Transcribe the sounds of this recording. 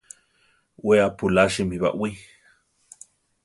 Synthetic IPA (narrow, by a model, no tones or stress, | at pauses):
weapulaʃimiβa̰ʔwi